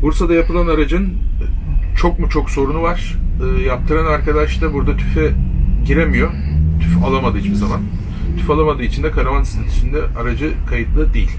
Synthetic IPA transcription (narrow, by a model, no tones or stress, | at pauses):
buɾsad̪ajapɯlˠanaɾad͡ʒɯn | t͡ʃʰo̞k̚mut͡ʃʰo̞kso̞ɾunuvaɾ̥ɯːjap̚t̪ʰɯɾanaɾkʰad̪aʃt̪ˠabuɾd̪at̪ʰy̥fɛɟiɾemijo̞t̪ʰyfalˠamad̪ɯːit͡ʃpizaman | t̪ʰyfalˠamad̪ɯit͡ʃʰind̪ɛkʰaɾavansinit̪ʰi̥t͡ʃʰind̪ɛaɾad͡ʒɯkʰajɯt̪lˠɯd̪ejilʲ